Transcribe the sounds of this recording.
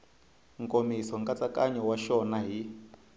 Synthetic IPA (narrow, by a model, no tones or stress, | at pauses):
ŋkʼomisɔŋkʼat͡sʼakʼaɲɔwaʃɔnaɦi